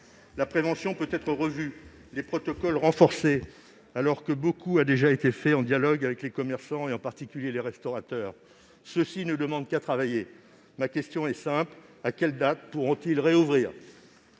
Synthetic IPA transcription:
lapχevɑ̃sjɔ̃pøt̪ɛt̪χəʁəvy | lepχɔt̪ɔkɔlʁɑ̃fɔʁse | alɔʁkəbokuad̪eʒaet̪efɛɑ̃d̪jalɔɡavɛklekɔmɛʁsɑ̃eɑ̃paʁt̪ikʲyljeleʁɛst̪ɔʁat̪œːʁ | səsinəd̪əmɑ̃d̪kat̪χavaje | makʲɛst̪jɔ̃ɛsɛ̃plakʲɛld̪at̪puʁɔ̃t̪ilʁeuvʁiːʁ

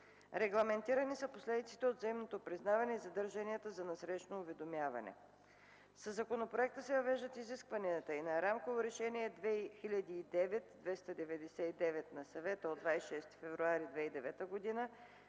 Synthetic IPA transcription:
ɾɛɡlˠɐmɛnt̪iɾɐnisɐposlɛd̪it̪si̥t̪ɛod̪zɐimnot̪opɾiznavɐnɛizɐd̪əɾʒəniɛt̪əzɐnɛsɾɛʃnoːvɛd̪omjavɐ̰nɛ̰ | səzɐkonopɾoɛk̚t̪əsɛvɐvɛʒd̪ət̪iziskvɐniət̪əinɐɾamkovoɾɛʃɛniɛd̪vɛxilʲɐd̪iːd̪ɛvɛt̪d̪vɛst̪əd̪ɛvɛd̪ɛsɛid̪ɛvɛt̪nɐsɐvɛt̪əod̪vajsiʃɛst̪i̥fɛvɾuaɾid̪vɛid̪ɛvɛt̪əɡod̪inə

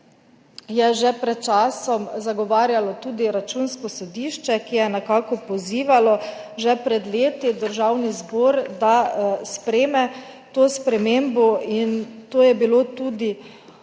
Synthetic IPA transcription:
jɛʒɛpɾɛt̪̚t͡ʃaːsɔmzaɡɔʋaːɾjalɔt̪uːd̪iɾat͡ʃuːnskɔsɔd̪iːʃt͡ʃɛkijɛnɛkaːkɔpɔziːʋalɔʒɛpɾɛd̪leːt̪id̪əɾʒawnizboːɾd̪aspɾɛːmɛ | t̪oːspɾɛmembɔint̪oːjɛbilot̪uːd̪i

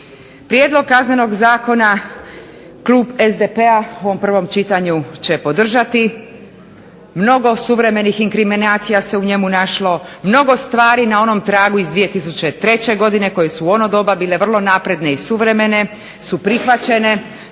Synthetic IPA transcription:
pɾjed̪lo̞ɡ̚kazne̞no̞ɡzaːko̞na | klˠuːbezd̪epeaoʋompr̩ʋo̞mt͡ɕit̪aɲut͡ɕe̞po̞d̪r̩ʒat̪i | mno̞ɡo̞suʋɾe̞me̞nixiŋkɾiminaːt̪sijase̞uɲe̞munaʃlo̞mno̞ɡo̞st̪ʋaːɾinao̞no̞mt̪ɾaːɡuizd̪ʋije̞t̪is̬ut͡ɕe̞t̪ɾe̞t͡ɕe̞ɡo̞d̪ine̞ko̞je̞suo̞nod̪o̞babiːleʋr̩lˠo̞napɾe̞d̪ne̞isuʋɾe̞me̞ne̞ | supɾixʋat͡ɕe̞ne̞

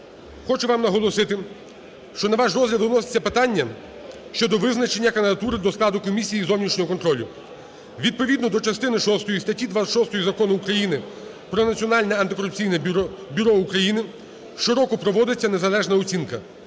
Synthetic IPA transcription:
xɔt͡ʃʊʋɑmnɐɦɔlˠɔsɪt̪ɪ | ʃt͡ʃɔnɐʋɑʃrɔzɦlʲɐd̪nɔse̥t͡sʲːɐpɪt̪ɑnʲːɐ | ʃt͡ʃɔd̪ɔʋɪznɐt͡ʃenʲːɐkɐnd̪ɪd̪ɐt̪uɾɪd̪ɔsklˠɑd̪ʊkɔmʲisʲijizɔwnʲit͡ʃnʲɔɦɔkɔnt̪ɾɔlʲʊ | ʋʲid̪̚pɔʋʲid̪nɔd̪ɔt͡ʃɐst̪ɪnɪʃɔst̪ɔjist̪ɐtʲid̪ʋaɐʃɔst̪ɔjizɐkɔnʊːkɾɐjinɪ | pɾɔnɐt͡sʲiɔnɑlʲnɛɐnt̪ɪkɔɾʊp̚t͡sʲijnɛbʲʊɾɔukɾɐjinɪ | ʃɪɾɔkɔpɾɔʋɔd̪ɪt͡sʲːɐne̞zɐlˠɛʒnɐɔt͡sʲinkɐ

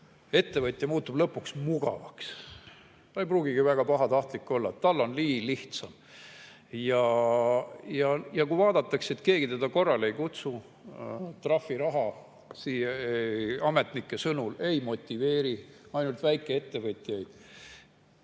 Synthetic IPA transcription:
e̞t̪ːe̞vɤt̪ʲːˑjɑmuːt̪ːˑub̥lɤpːˑuksmuɡ̥ɑ̰vɑks | t̪ɑejpruːɡ̥iɡ̥ivæɡ̥ɑpɑɦɑt̪ɑht̪likːˑo̞lːɑet̪t̪ːɑlːo̞nliːliht̪sɑm | jɑ | jɑjɑkujvɑːd̪̥ɑt̪ːˑɑkse̞t̪ke̞ːɡ̥it̪e̞d̪̥ɑko̞rːɑle̞jkut̪su | t̪rɑfːiɾɑɦɑ | siːje | ɑme̞t̪nikːˑe̞sɤnule̞jmo̞t̪ʲːive̞ːɾi | ɑjnult̪væjkːˑe̞e̞t̪ːe̞vɤt̪ʲːˑjɑjd̪̥

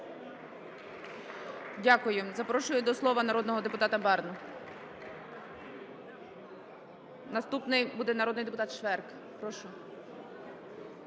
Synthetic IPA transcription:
dʲakʊjʊzɐpɾɔʃʊjʊd̪ɔslˠɔʋɐnɐɾɔd̪nɔɦɔd̪epʊt̪ɑt̪ɐbɛrnʊ | nɐst̪upnɪjbud̪ɛnɐɾɔd̪nɪjd̪epʊt̪ɑt̪ʃʋɛrk | pɾɔʃʊ

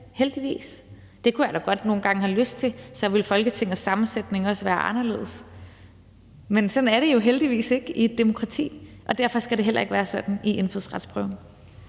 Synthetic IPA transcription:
held̥iʋḭːs | d̥e̝kʰujæl̰ɐɡ̥ɒ̽d̥no̝ːn̩ɡ̥ɑ̈ŋəɦæløsd̥̚t͡sʰe̝sɒʋe̝lfɒ̽lɡ̥ət͡sʰeŋ̰ð̩ˠsːɑ̈mn̩sed̥ne̝ŋɒ̽sʋæːɐʔɑ̈nɐle̝̰ːðˠs | mensɒ̽næɐɾ̥e̝jo̝ɦeld̥iʋḭːse̝ɡ̥id̥ːemo̝kʰʁɑ̈t͡sʰḭː | ʔɒ̽d̥æɐ̰fɒ̽sɡ̥æɾe̝ɦel̰ɐ̰e̝ɡ̥ʋæːɐsɒ̽d̥n̩iʔe̝nfyðˠsʁɑ̈d̥spʰʁœʊn

